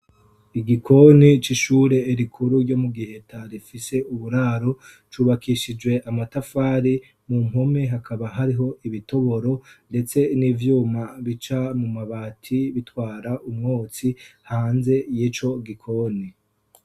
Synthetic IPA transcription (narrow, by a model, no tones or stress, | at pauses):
iɡikʰo̞nit͡ʃiʃuːɾe̞iɾikʰuɾuɾɟo̞muɡihe̞tʰaɾifise̞uβuɾaːɾo̞ | t͡ʃuːβakiʃid͡ʒwe̞ʔamatafaːɾi | mumho̞me̞ɦakʰaβaɦaɾiɦo̞iβito̞βo̞ɾo̞nde̞t͡se̞nivjuːmaβit͡ʃamumaβaːtʰiβitwaːɾaʔumŋoːt͡sihaːnze̞jiːt͡ʃo̞ɡikʰo̞ni